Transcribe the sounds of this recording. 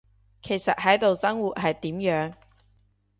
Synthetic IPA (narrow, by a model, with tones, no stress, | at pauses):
kʰe˨˩jsɐ˨t̚hɐ˨˥jt̪o˨wsɐ˥ŋwuː˨t̚ɦɐ˨jt̪iː˨˥mjœː˨˥ŋ